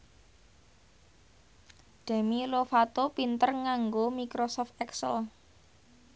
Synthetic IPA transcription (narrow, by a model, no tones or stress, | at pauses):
ɖ̪̥ɛ̤milofat̪opint̪ərŋaŋɡomikɾosɔft̪ɛksəl